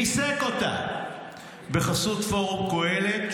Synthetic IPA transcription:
isekota̰ | beχasut̪fo̞ʁoko̞elet̪

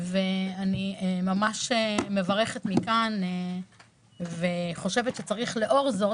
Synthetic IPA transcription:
veaniemamaʃeme̞vaʁe̞χet̪mikane | veχo̞ʃe̞vet̪ʃet͡saʁiχle̞ʔo̞ʁzo

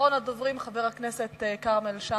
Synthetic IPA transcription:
onad̪ovʁimχaveʁhakneset̪ekaʁmelʃa

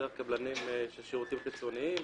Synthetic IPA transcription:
kablanimʃelʃeʁut̪imkit͡soniim

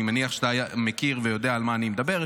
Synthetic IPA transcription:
imaniaχʃet̪aːjamekiʁvejo̞d̪eaːlmaːnimed̪abe̞ʁ

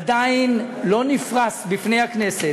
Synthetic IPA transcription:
d̪ainlo̞nifʁasbifnejhaknese

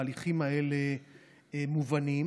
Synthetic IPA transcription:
liχimaele | muvanim

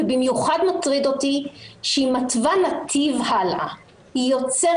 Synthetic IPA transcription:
bimjuχad̪matʁid̪otiʃeimatvanat̪ʰivhala̰ | ijo̞t͡se

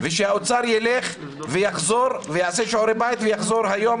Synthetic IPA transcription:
veʃehaot͡saɾjeleχ | vejaχzo̞ɾvejaʕaseʃoɾebajit̪vejaχzo̞ɾhajom

